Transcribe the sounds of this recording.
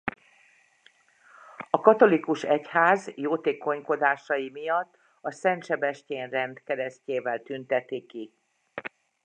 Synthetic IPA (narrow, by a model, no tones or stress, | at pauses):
ɒkɒt̪o̞likuʃɛchaːzjoːt̪eːko̞ɲko̞d̪aːʃɒjimijɒt̪ː | ɒsɛnt̪ʃɛbɛʃceːnrɛnd̪kɛd̪ɛsceːvɛlt̪ynt̪ɛt̪ːiki